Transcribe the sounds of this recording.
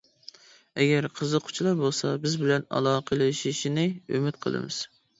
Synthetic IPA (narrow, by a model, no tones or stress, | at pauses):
ɛɡʲɛɾqʰəzəqʰʊ̥t͡ʃʰlˠɑɾbolˠsɑbɪzbɪlɛnɑ̰lˠɑːqʰəlˠɨʃiʃinɪø̰mɪt̪̚qʰə̰lˠɨ̰mɨ̰z̥